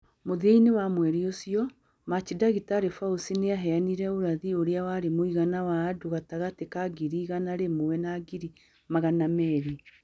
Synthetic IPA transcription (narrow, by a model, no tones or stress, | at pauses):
moðieinewamwɛɾiosjɔ | mat͡ʃidaɣitaːɾefausineaɦɛaniɾɛoɾaðioɾeawaɾemoiɣanawaːduɣataɣatekaɡiɾiːɣanaɾemowɛnaɡiɾi | maɣanamɛɾi